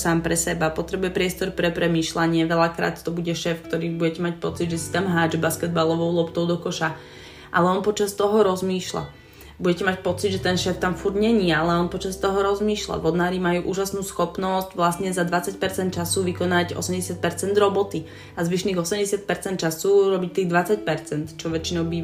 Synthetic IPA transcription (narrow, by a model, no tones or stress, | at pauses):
saːmpɾɛsɛbapɔt̪ɾɛbujɛpɾɪɛst̪ɔɾpɾɛpɾɛmiːʃlaɲɪɛʋɛʎakɾa̰ːt̪t̪ɔbuɟɛʃɛːfkt̪ɔɾiːbuɟɛcɛmac̚pɔt͡sid̪ʒɛsi̥t̪amɦaːd͡ʒbaskɛd̪̚balɔʋɔʊlɔpt̪ɔʊd̪ɔkɔʃa | ʔa̰lɛɔnpɔt͡ʃast̪ɔɦɔɾɔzmiːʃla̰ | buɟɛcɛmac̚pɔt͡sid̪ʒɛt̪ɛnʃɛːft̪amfuɾɟɲɛɲiɛalɛɔnpɔt͡ʃast̪ɔɦɔɾɔzmiːʃla̰ʋɔd̪naːɾimajuːʔuːʒasnuːsxɔpnɔsɟʋlasɲɛzad̪ʋat͡sacpɛɾt͡sɛnt̪̚t͡ʃasuʋikɔnaɟɔ̰sɛmɟɛsɪat̪̚pɛɾt͡sɛnd̪ɾɔbɔt̪i | azʋiʃniːɣɔsɛmɟɛsɪat̪̚pɛɾt͡sɛnt̪̚t͡ʃasuɾɔbic̚t̪iːɣd̪ʋat͡sac̚pɛɾt͡sɛnt̪t͡ʃɔʋɛt͡ʃinɔʊbiː